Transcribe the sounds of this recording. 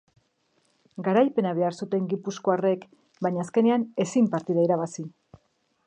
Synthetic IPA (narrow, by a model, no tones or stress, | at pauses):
ɡaɾajpe̞naβe̞aɾsut̪e̞ŋɡipusko̞are̞k | baɲaːske̞ne̞ane̞simpaɾt̪iðaiɾaβasi